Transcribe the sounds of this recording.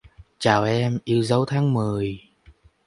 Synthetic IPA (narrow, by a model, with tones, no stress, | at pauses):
t͡ɕaː˨˩wʔɛ˧mʔi˧əwzə˨˦wt̪ʰaː˨˦ŋmɨ˨˩əj